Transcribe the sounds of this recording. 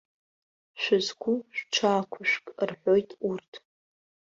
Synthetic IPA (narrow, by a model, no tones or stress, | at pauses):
ʃʷʊzkʷʰʊʃᶣʷʈ͡ʂʰaːkʷʰʊʃᶣʷkʼrħʷojtʼurtʰ